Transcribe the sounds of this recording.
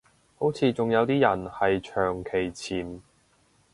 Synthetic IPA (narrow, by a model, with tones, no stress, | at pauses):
ho˨˥wt͡sʰiː˨˧t͡sʊ˨ŋjɐ˨˧wt̪iː˥jɐ˨˩nhɐ˨jt͡ʃʰœː˨˩ŋkʰe˨˩jt͡sʰiː˨˩m